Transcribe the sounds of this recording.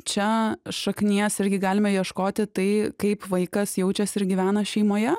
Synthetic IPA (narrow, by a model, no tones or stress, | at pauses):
t͡ʃʲɛʃɐknʲiɛsɪɾʲɡʲɪɡɑːlʲɪmɐjiɛʃkoːt̪ʲɪt̪ɐɪkɐɪpʋɐɪkɐsjɛʊt͡ʃʲɛsɪɾɡʲiʋʲæːnɐʃʲɛɪmoːjɛ